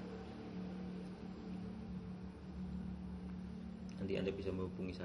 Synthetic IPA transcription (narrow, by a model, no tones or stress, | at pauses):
and̪iʔa̰ndabisaməɦupuŋisa